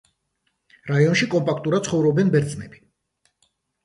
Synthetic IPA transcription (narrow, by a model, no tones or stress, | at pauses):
ɾaiɔnʃikʼɔmpʼakʰt̪ʼuɾad̪̚sʰχɔvɾɔbɛnbɛɾt̪sʼnɛbi̥